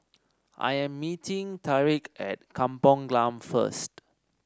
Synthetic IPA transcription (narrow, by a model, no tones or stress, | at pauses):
ʔa̰jɛ̃mːitĩŋtʰaɹikɛ̰t̚kʰãmpɔ̃ŋɡlãmfə̰st